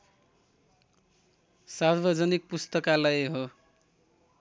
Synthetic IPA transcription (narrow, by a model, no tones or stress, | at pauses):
sarbʌd͡zʌnik̚pust̪ʌkalajɦo